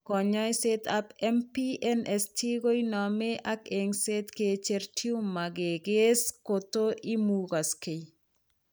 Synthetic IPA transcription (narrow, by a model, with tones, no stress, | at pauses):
kɔ˨ɲɔ˦i˦setapɛ˦mpiɛnɛ˨sti˦ɡo˦i˦nɔme˦ʔakeŋse˦tket͡ʃertʰiu˦mːa˨ɡe˨ɡe˦skoto˦ʔi˦muɡa˨ske˨